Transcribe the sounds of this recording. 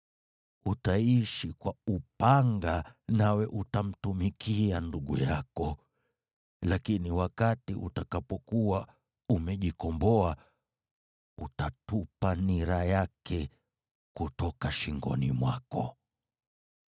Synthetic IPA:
utaiʃikwaupaŋɡanawɛʔutam̩tumikʰianduɠṵjakɔ | lakiniwakatiʔṵtakapɔkuwa | umɛʄikɔmbɔa | utatupaniɾajakʰɛ | kutɔkaʃiŋɡɔ̰nḭmwakɔ

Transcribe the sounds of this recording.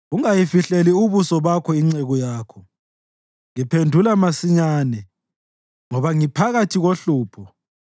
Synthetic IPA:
ɣuŋajifiɬeliuβusɔβakʰɔiŋ͡ǀeɣɔjaːkʰɔ | ŋipʰendʱulamasiɲaːnɛ | ŋɔβaŋipʰaɣatʰiɣoɬuːpʰɔ

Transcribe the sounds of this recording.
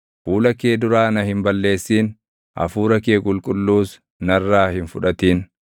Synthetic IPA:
fuːlɐkeːd̪ʊɾaːnɐhɪmbɐlːe̞ːsːiːn | ʔɐ̰fuːɾɐkeːkʼʊlkʼʊlːuːs | nɐrːaːhɪnfʊᶑɐt̪iːn

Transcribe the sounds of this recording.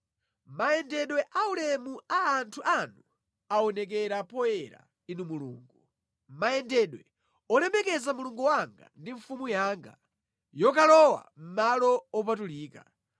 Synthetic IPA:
majɛndɛɗwɛʔaulɛmuaːntʰuʔanu | aɔnɛk̬ɛɾapɔjɛɾa̰ | inumulṵːŋɡu | majɛndɛɗwɛ | ɔlɛmɛkɛzamuluŋɡuwaŋɡa̰ndiɱfumujaːŋɡa̰ | jɔkalɔwa̰m̩malɔɔp̬atuliːka

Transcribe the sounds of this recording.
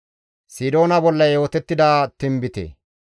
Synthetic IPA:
siːd̪o̞ːnɐbɔlːɐjo̞ːt̪ɛt̪ːɪd̪at̪ɪmbɪt̪ḛ

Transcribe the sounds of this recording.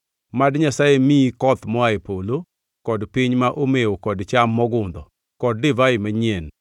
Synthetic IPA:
madɲasajemiikɔt̪mɔaepolo | kɔdpɪɲmaʔomeokɔdt͡ʃamːɔɡʊnd̪ɔ̰ | kɔd̚dɪvaɪmaɲɛn

